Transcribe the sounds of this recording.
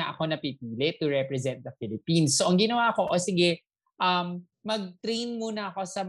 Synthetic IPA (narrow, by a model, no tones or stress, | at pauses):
ɐʔɐko̞nɐpipiːlɛt̪ʊɹɛpɾɛzɛnt̪̚d̪ɐfɪlɪpinsːoːʔɐŋɡɪnɐwako̞ʔosɪɡɛ | ʔɐmː | ɐɡ̚t̪ɾejnmuːnɐɐko̞sɐm